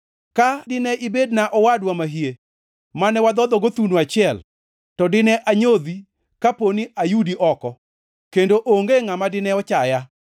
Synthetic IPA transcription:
kadɪnɛʔibednaʔɔwadwamaɦie | manɛwad̪ɔd̪ɔɡot̪unuat͡ʃɪɛl | tɔdɪnɛʔaɲod̪i | kaponiʔajudiʔɔkɔ | kendoʔoŋɡeŋamadɪnɛɔt͡ʃaja

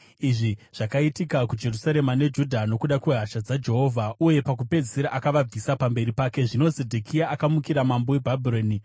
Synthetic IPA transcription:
iʐiʐ̥akaitikakud͡ʒe̞rusaɾe̞mane̞d͡ʒudʱano̞kuɗakweɦaʃad͡zad͡ʒe̞ɦo̞ːvʱauje̞pak̬upe̞d͡ziɾaʔakaʋab͡visapambe̞ɾipaːke̞ʐino̞zedʱokiaʔːkamukiɾamambo̞webʱabʱiroːni

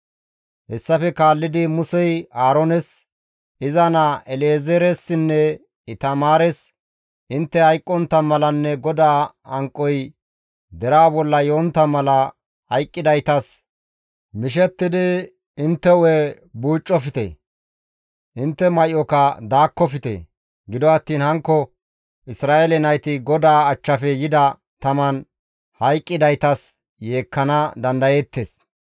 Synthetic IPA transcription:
hɛsːɐfɛkaːlːɪd̪ɪmʊsɛjaːɾɔnɛs | ɪzɐnaʔɛleːzɛɾɛsːɪnːɛ | ɪt̪ɐmaːɾɛs | ʔɪnt̪ːɛhɐjkʼːɔnt̪ːɐmɐlɐnːɛɡɔd̪aː | ɐŋkʼːɔj | d̪ɛɾaːbɔlːɐjoːnt̪ːɐmɐlɐ | hɐjkʼːɪd̪ɐjt̪ɐs | mɪʃ̬ɛt̪ːɪd̪ɪ | ɪnt̪ːɛwe | buːt͡ʃʼːɔfɪt̪ɛ̰ | ʔɪnt̪ːɛmɐjʔɔkɐd̪aːkːɔfɪt̪ḛ | ɡɪd̪ɔɐt̪ːiːnhɐŋkːɔ | ʔɪsɾaːʔelɛnɐjt̪ɪɡɔd̪aːɐt͡ʃːɐfɛjɪd̪ɐ | t̪ɐmɐn | hɐjkʼːɪd̪ɐjt̪ɐs | je̞ːkːɐnɐd̪ɐnd̪ɐjeːt̪ːeːs

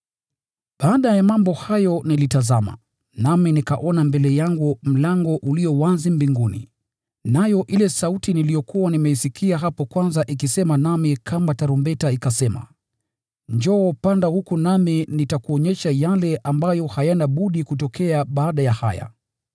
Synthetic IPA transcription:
ɓaːɗajamambɔhajɔnilitazama̰ | naminikaʔɔnambɛlɛjaŋɡum̩laŋɡɔʔuliɔwazimbiŋɡunḭ | najɔʔilɛsautinilijɔkuwanimɛisikiaɦapɔkwanzaʔikisɛmanamikʰambataɾumbɛtaikasɛma̰ | ɲd͡ʒɔːpandahukunaminitakuɔɲɛʃajalɛʔambajɔhajanaɓuɗikutɔkʰɛaɓaːɗajaha̰ja̰

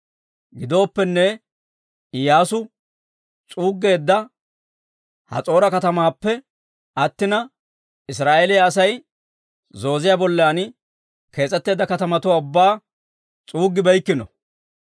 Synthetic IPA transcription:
ɡɪd̪o̞ːpːɛnːɛ | ɪjaːsʊ | t͡sʼuːɡːe̞ːd̪ːɐ | hɐ̰t͡sʼo̞ːɾɐkɐt̪ɐmaːpːɛ | ʔɐt̪ːɪnɐ | ɪs̬ɾaːʔelɪjɐːs̬ɐj | zo̞ːzɪjabɔlːaːn | kʰe̞ːt͡sʼːɛt̪ːe̞ːd̪ːɐkɐt̪ɐmɐt̪ʊwaːʊbːaː | t͡sʼuːɡːɪbɐjkːɪnɔ

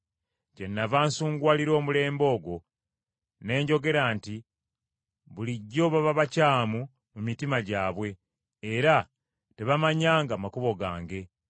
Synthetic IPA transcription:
ce̞nːavaːnsuːŋɡwaːliɾo̞ːmule̞ːmbo̞ːɡo̞ | ne̞ːɲɟo̞ɡe̞ɾaːnti | βuliɟːo̞ːβaβaβacaːmu | mumitimaɟaːβwe̞ː | ɾa | te̞βamaɲaːŋɡaːmakuβo̞ɡaːŋɡe̞

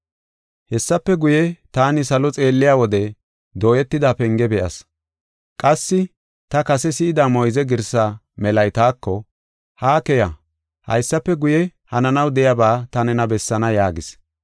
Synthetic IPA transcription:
hɛsːɐpːɛɡʊjɛt̪aːnɪsɐlɔt͡sʼe̞ːlːɪjaːwɔd̪ɛ | d̪o̞ːjɛt̪ːɪd̪aːpɛŋɡɛbɛʔɐ̰s | kʼɐsːɪ | t̪ɐkɐsɛsɪːd̪aːmɔjzɛɡɪɾsaː | mɛlɐjt̪aːkːɔ | haːkɛja | hɐ̰jsːɐpːɛɡʊjɛhɐnɐnɐwd̪ɛjabaːt̪ɐnɛnɐbɛsːɐnɐjaːɡɪs

